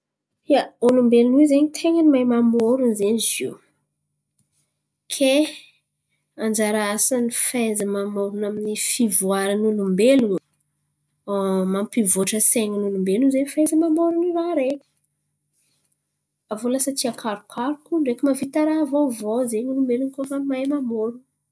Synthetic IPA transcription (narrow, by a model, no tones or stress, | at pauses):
jaulumbelunuizeɲit̪ʰeŋənimajmamoɾunzeɲiziw | kʰe | and͡ʒaɾaasanifejzəmamoɾunaminifivuaɾanulumbelu | mampivoʈ͡ʂəseŋənulumbelunzenifezəmamoɾuniraɾekʲə̥ | avoləsat̪iakʰaɾukʰaɾukuɳɖ͡ʐekʲəmavit̪aɾavovozeɲulumbelunkofamajmamoɾu